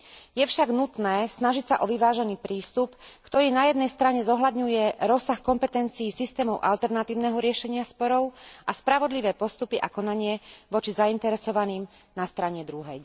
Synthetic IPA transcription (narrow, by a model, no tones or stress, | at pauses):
jɛfʃaɡnut̪nɛːsnaʒicsaʔɔʋiʋaːʒɛniːpɾiːst̪upkt̪ɔɾiːnajɛd̪nɛjst̪ɾaɲɛzɔɦlad̪ɲujɛɾɔsːaxkɔmpɛt̪ɛnt͡siːsist̪ɛːmɔʊʔalt̪ɛɾnat̪iːʊnɛɦɔɾɪɛʃɛɲɪaspɔɾɔʊʔaspɾaʋɔd̪liʋɛːpɔst̪upiʔakɔnaɲɪɛʋɔt͡ʃizaint̪ɛɾɛsɔʋaniːm | nast̪ɾaɲɛd̪ɾuɦɛj